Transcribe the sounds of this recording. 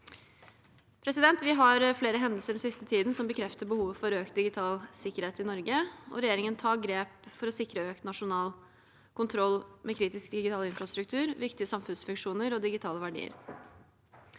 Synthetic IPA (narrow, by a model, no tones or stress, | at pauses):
pʰɾɛsɪd̪ɛnt̪ʋɪɦɑɾfleːɾəɦɛnd̪əl̩səɖɛn̩sɪst̪ət̪ʰiːd̪n̩sɔmbəkʰɾɛft̪əɾbəhuːʋəfɔɾøːkt̪̚d̪ɪɡɪt̪ʰɑːlsɪkəɾheːt̪ɪnɔɾɡəɔ̰ɾɛjeːɾɪŋənt̪ʰɑːɡɾeːpfɔɾɔsɪkɾəøːkt̪nɑʂʊnɑːl | kʰʊnt̪ʰɾɔlːmʔɛkʰɾiːt̪ɪskd̪ɪɡɪt̪ɑːləɪnfɾɑst̪ɾʉk̚t̪ʰʉːɾʋɪkt̪ɪəsɑmfʉnsfʉŋʂuːnəɾɔd̪ɪɡɪt̪ʰɑːləʋæɖḭːə̰ɾ